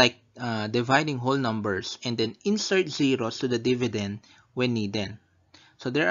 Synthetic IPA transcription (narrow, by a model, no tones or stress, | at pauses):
ajk̚ad̪ɪvajd̪ɪ̃ŋɦolnʌ̃mbɛɹsɛ̃nd̪ɛ̃nɪ̃nsɛɹt̪̚ziɹost̪ud̪ɐd̪ɪvɪd̪ɛ̃nd̪̚ | wɛnːiːd̪ɛ̃n | sod̪ɛɹ